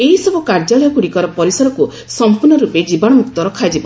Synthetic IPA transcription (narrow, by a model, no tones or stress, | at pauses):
eɦisɔbɔkaɾd͡ʒalɔjɔkuɽikɔɾɔpɔɾisɔɾɔku | ssɔmpuɾnɔɾuped͡ʒibɔɽɔmuk̚t̪ɔɾɔkʰad͡ʒibɔ